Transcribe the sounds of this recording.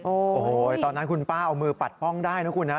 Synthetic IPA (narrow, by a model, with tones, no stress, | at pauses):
ʔoː˧˩oː˩˨˩t̪ɔː˧nːa˦˥nkʰu˧npaː˥˩ʔa˧wmɯː˧pa˨˩t̪̚pɔ˥˩ŋdaː˥˩jna˦˥kʰu˧nːa˦˥